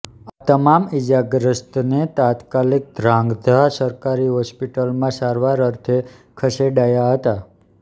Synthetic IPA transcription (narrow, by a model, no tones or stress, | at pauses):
at̪əmamid͡ʒaɡɾəst̪net̪at̪kalik̚d̪ʱɾãŋɡd̪ʱasəɾkaɾiɦɔspiʈəlmãsaɾʋaɾəɾt̪ʰe | kʰəseɖajaɦət̪a